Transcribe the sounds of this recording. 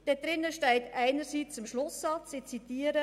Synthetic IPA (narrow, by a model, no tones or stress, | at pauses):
d̥ɛd̥ɾɪnːəʃtɛɪtʔæɪnəɾsiːt͡sɪmʃlʊsːɑt͡sɪt͡sitiːəɾə